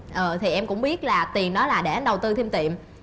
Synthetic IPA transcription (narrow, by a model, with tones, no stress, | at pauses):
ʔəː˨˩t̪ʰi˨˩ʔɛ˧mkʊ̰˧˥ŋ͡mɓi˦˥ət̚laː˨˩t̪i˨˩ənɗɔ˨˦laː˨˩ɗe˧˩ə˨˦nɗə˨˩wt̪ɨ˧t̪ʰi˧mt̪ḭ˧˨əm